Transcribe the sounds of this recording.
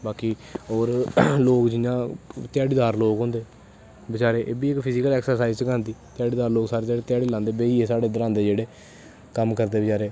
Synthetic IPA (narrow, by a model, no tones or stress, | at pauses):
baːkiːɔːɾloːkd͡ʒɪjãːt̪ɪjaːɽiːd̪aːɾloːkɦõnd̪eː | bət͡ʃaːɾeːʔeːbiːɪkpʰɪzɪːkəlɛːksəɾsaːizsəkãːnd̪iːt̪ɪaːɽiːd̪aːɾloːɡsaːɾeːt̪aːɽeːt̪ɪjaːɽiːlãːnd̪eːbeːiːeːsaːɽeːd̪əɾãːnd̪eːd͡ʒeːɽeː | kəmkəɾd̪eːbət͡ʃaːɾeː